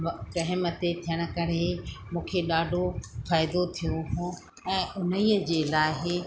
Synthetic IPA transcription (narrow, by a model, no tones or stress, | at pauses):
ɾɐɦɪmət̪et̪ʰijəɽ̃ə̆kɐɾemũːkʰeɗaːɖʱofaːɪd̪ot̪ʰijoɦũː | ɛ̃ːʊnəiːəd͡ʑeːlaːɪɦɪ